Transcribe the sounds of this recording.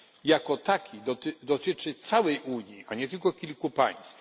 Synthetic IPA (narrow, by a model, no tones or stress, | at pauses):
jakɔt̪akʲʰid̪ɔt̪d̪ɔt̪ɘt͡ʂɘt̪sawɛjʔuɲjiʔaɲɛt̪ɘlkɔkʲilkupa̰j̃st̪f